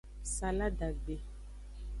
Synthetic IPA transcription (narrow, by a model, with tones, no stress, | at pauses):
sa˨la˦ɖa˨ɡ͡be˨